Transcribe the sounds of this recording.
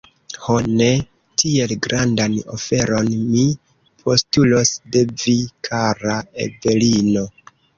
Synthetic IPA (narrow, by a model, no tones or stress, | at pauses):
hone̞ | tʰie̞lɡɾandano̰fe̞ɾo̞nmi | pʰo̞stulo̞sde̞vikʰaɾaḛve̞lino̞